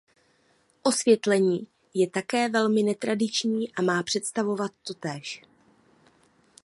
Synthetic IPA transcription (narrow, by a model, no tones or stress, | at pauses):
ʔo̞svjɛt̪lɛɲiː | jɛt̪akɛːvɛlmɪnɛt̪ɾadɪt͡ʃɲiːʔamaːpr̝̥ɛt̪st̪avo̞vat̪ːo̞t̪ɛːʃ